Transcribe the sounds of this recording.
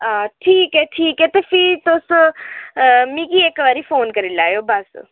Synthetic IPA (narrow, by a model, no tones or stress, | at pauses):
aʈʰiːkɦɛʈʰiːkɦɛt̪efit̪os | mĩːkieːkʋaːɾifoːnkəɾilaːjoːbɐs